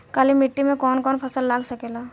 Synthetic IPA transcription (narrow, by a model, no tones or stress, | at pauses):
kaːlimɪʈːimẽkɔːnkɔːnpʰɐsəlːaːɡsɐkeːlaː